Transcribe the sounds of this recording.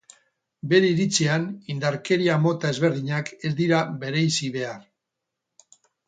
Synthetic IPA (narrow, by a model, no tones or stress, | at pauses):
be̞ɾeiɾit͡sianind̪aɾke̞ɾiamo̞t̪ae̞zβe̞ɾð̞iɲake̞zd̪iɾaβe̞ɾejsiβe̞ar